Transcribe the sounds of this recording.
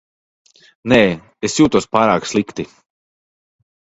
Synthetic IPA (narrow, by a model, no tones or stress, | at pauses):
nɛː | esjuːt̪uɔspaːɾaːkslˠikt̪i